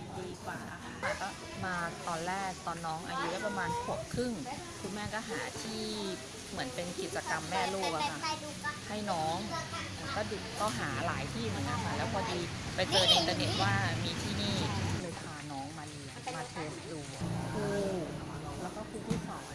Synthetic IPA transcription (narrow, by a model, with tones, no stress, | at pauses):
diː˧kwa̰ː˨˩a˧˩˧maː˧˩kɔː˥˩ | maː˧t̪ɔː˧nlɛː˥˩k̚t̪ɔː˧nːɔː˦˥ŋʔa̰˧ju˦daː˥˩jpa˧maː˧nkʰo˨˩p̚kʰɯ˥˩ŋ | kʰu˧nmɛː˥˩kɔː˥˩ɦaː˩˦t̪ʰiː˥˩ | mɯ˨˩˦npe˧nki˨˩t̪̚t͡ɕa˧ka˧mːɛː˥˩loː˥˩k̚ʔa˧kʰa˥˩ | ha˥˩jnɔː˦˥ŋ | kɔː˥˩du˨˩t̪ɔ˥˩ɦaː˩˦la̰ː˩˦jt̪ʰiː˥˩mɯ˨˩˦nka˧nkʰa˧˩lɛː˦˥wpʰɔː˧diː˧pa˧jkɤː˧nʔi˧nt̪a˧ne˨˩t̪̚waː˥˩miː˧t̪ʰiː˥˩niː˥˩lɤː˧jkʰaː˧nɔː˦˥ŋmaː˧li˧ | maː˧t̪ʰeː˦˥st̪̚duː˨˩koː˧˩ | lɛː˦˥wkɔː˥˩kʰuː˧tʰuː˥˩sɔ̰ː˨˩˦m˧